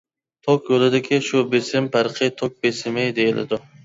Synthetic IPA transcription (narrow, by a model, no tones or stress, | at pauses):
t̪ʰokʲjolɪd̪ɪkʲʰɪʃʊbesɪmpʰaɾqʰɨjt̪ʰok̚besɪmejd̪ejɪlɪ̰d̪ʊ